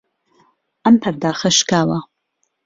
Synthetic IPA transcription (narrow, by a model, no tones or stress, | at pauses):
ampʰɐrdaːχɐʃkʰaːla